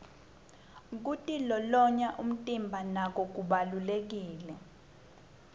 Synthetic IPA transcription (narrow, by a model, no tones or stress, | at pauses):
k̬utʼilɔlɔɲaʔum̩tʼimbʱanak̬ɔk̬uɓalulek̬iːlɛ